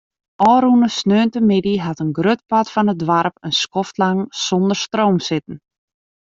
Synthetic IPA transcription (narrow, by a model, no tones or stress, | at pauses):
ʔɔːɾunəsnøːntəmɪdiɦatənɡrøt̚patfɔnət̚dʋarpənskɔftlaŋsɔndərstroːmsɪtən̩